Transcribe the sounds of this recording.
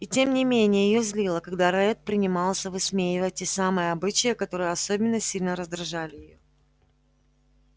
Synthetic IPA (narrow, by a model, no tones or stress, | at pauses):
itʲe̞mnʲɪmʲenʲɪjəjɪjozʲlʲilˠəkɐɡd̪aɾɐɛt̪̚pɾʲɪnʲɪmɑlˠsʲəvɨsmʲejɪvətʲːesamɨjəɐbɨt͡ɕɪjəkɐt̪o̞ɾɨjəɐsobʲɪnːəsʲilʲnəɾəzd̪ɾɐʐalʲɪjɪjo̰